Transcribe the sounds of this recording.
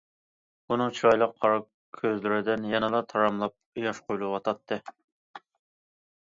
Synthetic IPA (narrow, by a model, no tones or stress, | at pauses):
unɨŋt͡ʃʰiɾɑjlˠəqʰːɑɾɑ | kʲʰːøzlɪɾɪd̪ɪnjɛnɨlˠɑt̪ʰɑɾɑmlˠɑp̚jɑʃqojlˠʊʁɑt̪ʰɑt̪ʰːɨ